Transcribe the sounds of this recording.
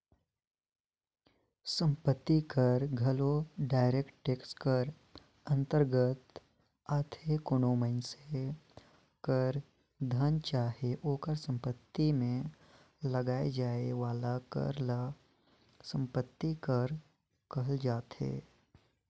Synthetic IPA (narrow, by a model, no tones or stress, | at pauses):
sə̃mpət̪ːikəɾɡʱɐloɖaːɪɾeːkʈʈeːkskəɾ | ə̃nt̪əɾɡət̪ | aːt̪ʰekonoːməɪnse | kəɾ | d̪ʱənt͡ʃaːɦeʔoːkəɾsə̃mpət̪ːimẽ | ləɡaːed͡ʒaːeʋaːlakə̰ɾla | sə̃mpət̪ːikəɾ | kəld͡ʒaːt̪ɦḛː